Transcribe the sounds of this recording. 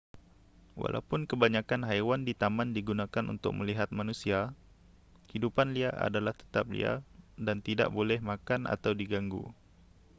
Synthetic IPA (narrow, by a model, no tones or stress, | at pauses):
wa̰lʔa̰upʊnkəbaɲakanɦajwandit̪amandiɡunakanṵnt̪ʊ̰k̚məliɦat̪̚manusia | hidupanliaʔa̰dalaht̪ə̥t̪ap̚lḭa̰dant̪ida̰ʔbolɛhmakanʔa̰t̪awdiɡaŋɡṵ